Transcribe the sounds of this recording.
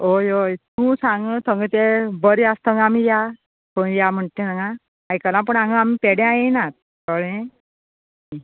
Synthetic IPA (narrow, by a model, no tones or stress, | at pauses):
ojojt̪ũsãŋɡət̪ʰəŋɡət̪ebəɾiast̪əŋamija | pəɳjam̤əɳt̪ẽnaŋɡa | ajkəlãp̬əɳaŋɡəamipeɽẽajenat̪̚ | kəɭẽ | i